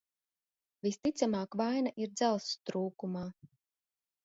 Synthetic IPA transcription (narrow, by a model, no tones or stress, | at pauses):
vist̪it̪samaːkvajnaʔiɾd̪zælˠsst̪ɾuːkumaː